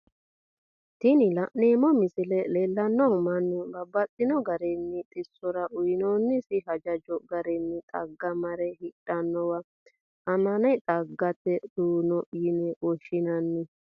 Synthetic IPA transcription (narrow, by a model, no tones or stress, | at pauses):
t̪ɪnɪlɐʔneːmɔmɪsɪlɛleːlːɐnːɔhʊmɐnːɪbɐbːɐt͡sʼːɪnɔɡɐɾɛnːɪt̪ʼɪsːɔɾɐʔʊjnoːnːɪsɪɦɐd͡ʒɐd͡ʒɔɡɐɾɛnːɪt̪ʼɐɡːɐmɐɾɛhɪᶑːɐnːɔwɐ | ʔɐmɐnɐt̪ʼɐɡːɐt̪ːɛd̪̥uːnɔʔjɪnɛwɔʃːɪnɐnːɪ